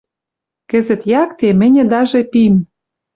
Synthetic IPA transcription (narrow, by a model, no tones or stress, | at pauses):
kɘ̆zɘ̆t̪jɑkt̪emɘ̆nʲɘ̆d̪ɑʒepim